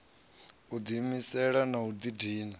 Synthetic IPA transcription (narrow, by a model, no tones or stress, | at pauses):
ud̪imisɛɺanaud̪idiːna